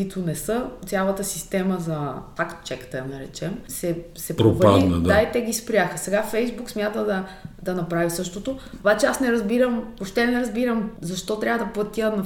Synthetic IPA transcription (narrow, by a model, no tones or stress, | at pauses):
it̪onɛsɤt̪sʲjalˠət̪əsi̥st̪ɛməzɐt̪ak̪t͡ʃɛkt̪ɛnɐɾɛt͡ʃɛmsɛ | sɛpɾopadinəd̪ait̪ɛɡispɾjaxəsɛɡafɛjzbuksmʲjat̪əd̪ɐd̪ɐnɐpɾavisɤʃt̪ot̪ot̪ovat͡ʃɛasnɛɾɐzbiɾəmoʃt̪ɛnɛɾɐzbiɾəmzɐʃt̪ɔt̪ɾʲavəd̪ɐplˠɐt̪iənɐ